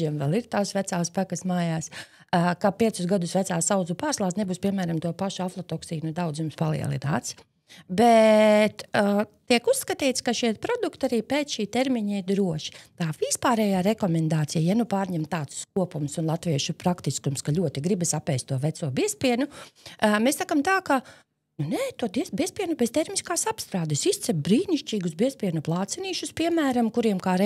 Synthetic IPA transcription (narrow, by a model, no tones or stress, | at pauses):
iɛmvɛlˠiɾt̪aːsʋæt̪saːspækɐsmaːjaːs | kapiɛt̪sʊsɡad̪ʊsʋæt̪saːsawd̪zupaːɾslˠaːsnebuːspiɛmæːɾamt̪uɔpaʃuaflˠɔt̪ɔksiːnud̪awd̪zjumspalˠḭɛ̰lˠḭna̰ːt̪s | bɛt̪ːt̪iɛkusːkɐt̪iːt̪skaʃiɛt̪pɾɔd̪ukt̪aɾiːpeːt̪sʃiːt̪eɾmiɲaiɾd̪ɾuɔʃi̥t̪aːvispaːɾɛːjaːɾɛkɔmɛnd̪aːt̪sijajanupaːɾɲɛmt̪aːt̪sk̚uɔpumsunlˠat̪ʋiɛʃupɾakt̪iskumskalʲuɔt̪iɡɾibɛsapɛːst̪ːuɔʋɛt̪suɔbiɛspʲiɛnu | messːakamt̪aːka | nunɛːt̪ud̪iɛsbiɛspiɛnubɛzt̪ɛɾmiskaːsapst̪ɾaːd̪ɪsist̪sɛbbɾiːniʃt͡ʃʲiːɡusbiɛspʲiɛnuplˠɑːt̪sɛniːʃuspiɛmæːɾamkuɾiɛmkaːɾɛ